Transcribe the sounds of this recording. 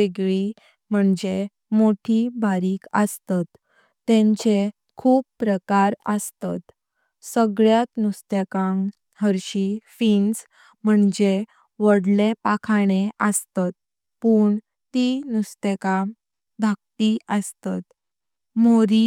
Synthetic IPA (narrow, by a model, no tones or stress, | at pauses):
eɡɭi | m̤əɳd͡ʑe | moʈʰibaɾiːkəst̪at̪ː | ẽɲt͡ɕe | kʰuːbppːɾəkaɾəst̪at̪ | səɡɭjat̪nust̪ekãŋ | ɦəɾɕifins | m̤əɳd͡ʑe | ʋəɽlepakʰaɽeəst̪at̪̚ | puːɳ | t̪inust̪eka | d̪ʱak̚t̪iʔəst̪at̪ | moɾi